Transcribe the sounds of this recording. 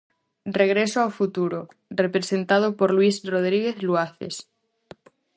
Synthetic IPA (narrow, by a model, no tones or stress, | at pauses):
reɣ̞ɾesoawfut̪uɾo | repɾesent̪að̞opoɾlwisroð̞ɾiɣeθlwaθḛs